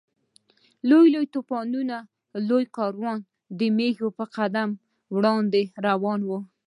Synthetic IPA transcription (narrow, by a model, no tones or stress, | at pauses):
lojlojt̪opɑnuna | lojkɑɾwɑn | d̪əmexopəqad̪am | wɽɑnd̪eɾawɑnwu